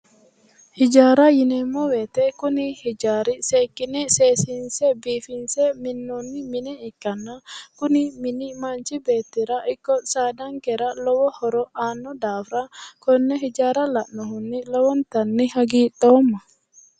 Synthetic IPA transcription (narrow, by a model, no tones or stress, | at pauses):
hid͡ʒaːɾajinɛmːɔwɛt̪ɛkʊnihid͡ʒaːɾiseːkːinɛseːsinsɛbiːfinsɛminːɔnːiminɛikːanːakʊniminimant͡ʃibeːt̪ːiɾaʔikːɔsaːd̪aŋkɛɾalɔwɔhɔɾɔʔaːnːɔd̪aːfɾakɔnːɛɦid͡ʒaːɾalaʔnɔhunːilɔwɔnt̪anːihaɡiːɗɔːmːa